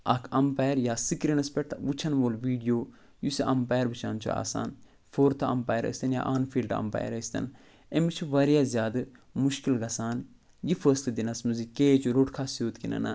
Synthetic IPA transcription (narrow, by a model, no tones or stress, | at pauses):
ɐkʰɐmpaːjɾjaːsikɾinɐspeʈʋut͡ʃʰɐnʋolʋiːɖijoː | jusiʔɐmpaːjɾʋut͡ʃʰa̰ːnt͡ʃʰṵa̰ːsa̰ːn | fʰoːɾt̪ʰɐ̰mpaːjɾə̰sʲt̪ɐnja̰ːʔanfʰiːlɖɐ̰mpa̰ːjɾəsʲt̪ɐ̰n | emit͡ʃʰuʋɐɾijaːzʲjaːd̪ɨmuʃkilɡɐsaːn | jifəːslɐd̪inɐsmuzikeːt͡ʃuɾoʈkʰasjoːt̪kinɐ̰na̰